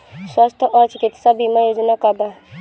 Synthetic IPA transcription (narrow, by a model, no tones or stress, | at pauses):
swast̪ʰʔɔːɾt͡ʃɪkɪt̪sabʱimə̃joːd͡ʒnakaba